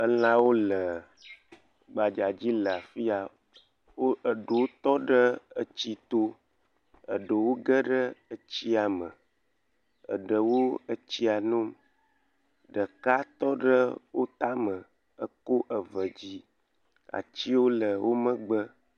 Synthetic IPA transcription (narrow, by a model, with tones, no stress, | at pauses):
ə˦l̃ã˦wo˦lə˨ | ɡ͡ba˨d͡ʒa˨d͡ʑi˦lə˨a˨fi˦a˨ | wo˦ə˨ɖo˨wo˦t̪ɔ˦ɖə˦ə˦t͡ɕi˦t̪o˦ | ə̰˨ɖə˨wo˦ɡə˦ɖə˦ə˦t͡ɕi˦a˨mə̰˨ | ə̰˨ɖə˨wo˦ə˦t͡ɕi˦a˨nũ˦m | ɖə˨ka˦t̪ɔ˦ɖə˦wo˦t̪a˦mə˨ | ə˦ko˦ʔə˨və˨d͡ʑi˦ | a̰˨t͡ɕi˦wo˦lə˨wʔo˦mə̃˦ɡ͡bə˦